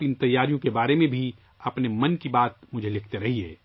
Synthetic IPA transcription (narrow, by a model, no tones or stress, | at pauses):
pɪnt̪ɐjːaːɾijõkebaːɾemẽbʱi | ɐpnemɐnkibaːt̪mʊd͡ʒʱelɪkʰt̪eɾɐɦieː